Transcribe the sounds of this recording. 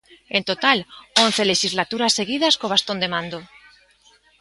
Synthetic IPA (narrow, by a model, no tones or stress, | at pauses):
e̞nt̪o̞t̪alon̟θe̞leʃizlat̪uɾasːe̞ɣiðaskoβ̞ast̪o̞nd̪e̞mãnd̪o